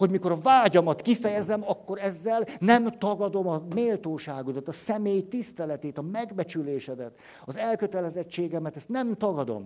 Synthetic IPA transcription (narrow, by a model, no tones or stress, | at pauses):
ho̞ɟmiko̞ɾɒvaːɟɒmɒt̪kifɛjɛzɛmɒkːo̞ɾɛzːɛlnɛmt̪ɒɡɒd̪o̞mɒmeːlt̪oːʃaːɡud̪ɒt̪ɒsɛmeːjt̪ist̪ɛlɛt̪eːt̪ɒmɛɡbɛt͡ʃyleːʃɛd̪ɛt̪ | ɒzɛlkøt̪ɛlɛzɛt͡ʃːeːɡɛmɛt̪ɛst̪nɛmt̪ɒɡɒd̪o̞̰m